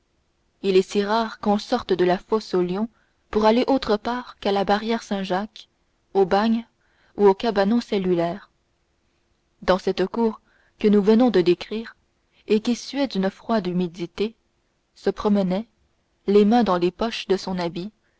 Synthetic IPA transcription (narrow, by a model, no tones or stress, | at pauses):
ilɛsiʁaːʁkɔ̃sɔʁt̪d̪əlafosoljɔ̃ | puʁaleʔot̪χəpaːʁkalabaʁjɛʁsɛ̃ʒak | obaɲ | uokabanɔ̃sɛlylɛːʁ | d̪ɑ̃sɛt̪əkuːʁ | kənuvənɔ̃d̪əd̪ekχiːʁ | ekʲisyɛd̪ynəfχwad̪ymid̪it̪e | səpχɔmənɛ | lemɛ̃d̪ɑ̃lepɔʃd̪əsɔ̃nabi